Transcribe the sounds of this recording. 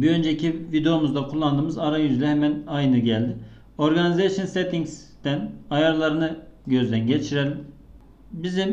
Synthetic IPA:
biø̞nd͡ʒecʰivid̪eo̞muzd̪akʰulˠːand̪ɯːmɯzaɾajyzd̪ʲɛɦɛmænajnɯɟælʲd̪i | o̞ɾɡanizesjonset̪ʰiŋs | d̪̥ænajaɾlˠaɾɯnɯɟø̞zd̪ænɟet͡ʃʰiɾɛlʲ | bizim

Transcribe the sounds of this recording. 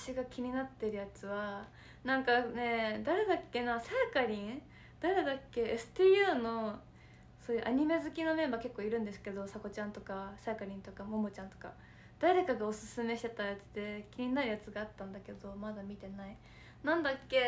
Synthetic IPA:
ḁɕiɡakʲiɲ̟inat̪ːeɾɯ̟jat͡sɨβa | nãŋkane̞d̪aɾe̞d̪akːe̞nasakaɾʲĩŋ | d̪̥aɾe̞d̪akːe̞esɨ̥t̪iːjɯːno̞ | so̞ːjɯ̟ʔaɲ̟ime̞zɨkʲino̞mẽ̞mbake̞kːo̞ːiɾɯ̟̃nd̪e̞s̬ɨ̥ke̞d̪o̞sako̞t͡ɕãnt̪o̞kasakaɾʲĩnt̪o̞kamo̞mot͡ɕãnt̪o̞̥ka̰ | d̪̥aɾe̞kaɡao̞sɨsɨme̞ɕi̥t̪e̞t̪ajat͡sɨ̥d̪e̞kʲiɲ̟inaɾɯ̟jat͡sɨɡaːt̪ːãnd̪ake̞d̪o̞mad̪amʲit̪e̞nai | nãnd̪akːe̞

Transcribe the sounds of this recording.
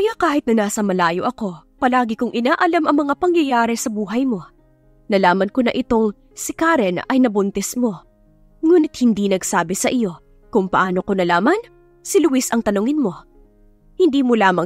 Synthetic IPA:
kɐjaːkaːhɪt̪nɐnaːsɐmɐlaːjo̞ʔɐko̞pɐlaːɡɪkʊŋʔɪnaːʔɐlamʔɐŋmɐŋapɐŋjɐjaːɾɛsɐbuːɦɐjmo̞ | nɐlaːmɐnko̞nɐʔɪt̪o̞ŋ | sɪkaɾɛnɐjnɐbʊnt̪ɛsmo̞ | ŋuːnɪt̪̚hɪnd̪inɐɡsaːbɛsɐʔɪjo̞ | kʊŋpɐʔaːno̞ko̞nɐlaːmɐn | sɪlʊwɪsɐŋt̪ɐnʊŋɪnmo̞ | hɪnd̪iːmolaːmɐ

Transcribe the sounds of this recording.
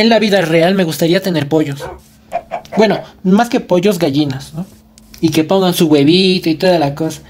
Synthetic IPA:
enlaβiðarealme̞ɣust̪aɾiat̪e̞ne̞ɾpo̞ʝo̞s | bwe̞no̞maske̞po̞ʝo̞zɡaʝinasno | ike̞po̞ŋɡansuɣwe̞βit̪oit̪oðalakosḁ

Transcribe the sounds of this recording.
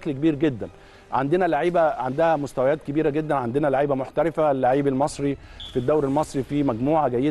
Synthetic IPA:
klkebiːɾɡed̪ːæn | ʕa̰nd̪enælaʕiːbæʕand̪æhæmost̪æwæjæːt̪̚kebiːɾæɡed̪ːænʕand̪enælaʕiːbæmoħt̪æɾefælːaʕiːbelmɑsˤɾifid̪ːæwɾelmɑsˤɾifiːmæɡmuːʕaɡæjːe

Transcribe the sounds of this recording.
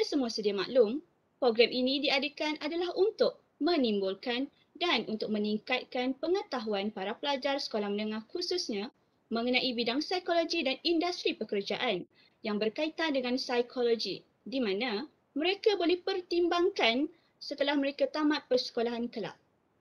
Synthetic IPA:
asəmuasədiama̰ʔlʊm | pɾoɡɾamʔinĩdiadəkanʔadalahunt̪ʊk̚ | mə̃nĩmbʊlkan | danʔunt̪ʊk̚mə̃niŋkat̪̚kanpəŋət̪aɦuanpaɾapəlad͡ʒarsə̥kolahmənə̃ŋãhkususɲã | mə̃ŋənãʔibidaŋsajkolod͡ʒidanindast̪ɾipəkərd͡ʒaʔan | jaŋbərkait̪andəŋãnsajkʰolod͡ʒi | dimãnã | mə̃ɾekabolɛhpərt̪imbaŋkan | sət̪əlahməɾekat̪amãt̪̚pərsə̥kolaɦankəla̰ʔ̚

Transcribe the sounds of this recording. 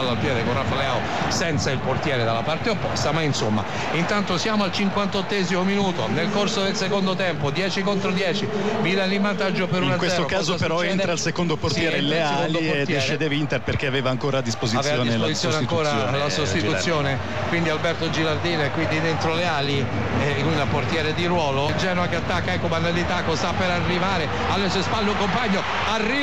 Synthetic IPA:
alːalpjɛːd̪ekonrafalɛao | sɛnt̪sailport̪jɛːɾed̪alːapart̪eopːɔ̰st̪amainsomːa̰ | int̪ant̪osjaːmoalt͡ʃiŋkwant̪ot̪ːɛzimominuːt̪onelkorsod̪elsekond̪ot̪ɛmpod̪jɛːt͡ʃikont̪ɾod̪jɛːt͡ʃi | vilalimant̪ad͡ʒːopeɾũnakwesɛːokaːzopeɾɔent̪ɾalsekond̪oport̪jɛːɾelːeasekold̪od̪eʃːed̪evint̪erperkeaveːvaːŋkoːɾaːd̪ːispoziavseːaoːd̪ineszt̪sːjoːnakoːɾalasost̪iut̪sːjoːne | kwind̪ialbɛrt̪od͡ʒilard̪iːnekwind̪id̪ent̪ɾoleaːli | inunport̪jɛːɾed̪iɾwɔːlod͡ʒɛːnoakeat̪ːakːaɛkːomanalit̪akːosapːeɾarːivaːɾe | alːesuːespalːeuŋkompaɲːo | arːi

